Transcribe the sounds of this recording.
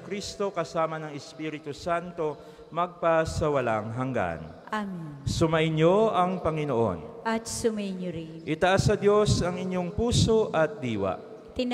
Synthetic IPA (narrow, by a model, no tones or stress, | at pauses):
kɾist̪o̞kɐsaːmɐnɐŋɛspiɾɪt̪usant̪o̞ | mɐɡ̚pasɐwɐlaŋɦɐŋɡa̰nʔaminsʊmɐʔɪnjo̞ʔɐŋpɐŋɪnoʔo̞̰nʔɐt̪sʊmɐɪɲʊɾɪnʔɪt̪ɐʔasːɐd̪jo̞sɐŋɪɲjo̞ŋpuːso̞ʔɐt̪̚d̪iːwa̰ʔ | t̪ɪn